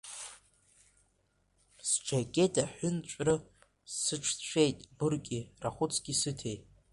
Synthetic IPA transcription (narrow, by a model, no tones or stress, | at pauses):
sʈ͡ʂakʲʼetʰaħʊnt͡ɕʷʼrɨ | sɨʈ͡ʂʰt͡ɕʷʰejtʼbɨrkʲʼiraχʷʊt͡sʰɡ̥ʲisɨtʰe̞jtʼ